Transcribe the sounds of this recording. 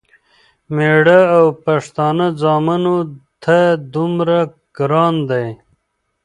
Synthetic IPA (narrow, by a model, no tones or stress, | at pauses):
meɽaːwpaʂt̪ɑːnad͡zɑːmanot̪ʰad̪umɾa | ɡ̥ɾɑːnd̪aj